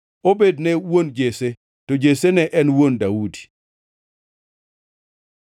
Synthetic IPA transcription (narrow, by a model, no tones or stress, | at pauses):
obednɛwond͡ʒese | tɔd͡ʒesenɛʔɛnwondaudi̥